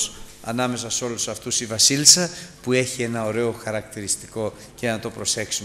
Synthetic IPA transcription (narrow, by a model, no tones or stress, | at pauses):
sɐ̰nɐme̞sɐso̞lusɐft̪usivɐsilsɐpue̞çie̞nɐo̞ɾe̞o̞xɐɾɐk̚t̪iɾist̪i̥ko̞ | ce̞nɐt̪o̞pɾo̞se̞ksum